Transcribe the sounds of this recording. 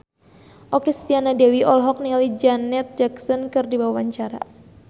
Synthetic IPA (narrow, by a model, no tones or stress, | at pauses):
ʔokɛst̪ianadewiʔɔlɦɔk̚nilid͡ʒanɛt̪̚d͡ʒaksənkɨrdibawawaɲt͡ʃaɾa̰